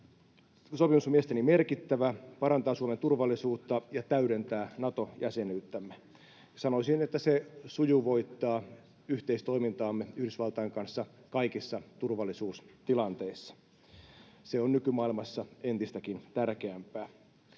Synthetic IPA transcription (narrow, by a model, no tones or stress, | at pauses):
sopimusmiest̪enimerkit̪ːæʋæpɑɾɑnt̪ɑːsuoment̪urʋɑlːˑisuːt̪ːɑjɑt̪æyɾent̪æːnɑt̪o̞jæsenyːt̪ːæmːe | sɑnoisinet̪ːæsesujuʋo̞it̪ːɑː | yht̪eist̪o̞imint̪ɑːmːeyhdysʋɑlt̪ɑjeŋkɑnsːɑkɑikisːɑt̪urʋɑlːˑisuːst̪ilɑnt̪eisːɑ̥ | seonnykymɑːilmɑsːɑent̪ist̪ækint̪ærkeæmpæː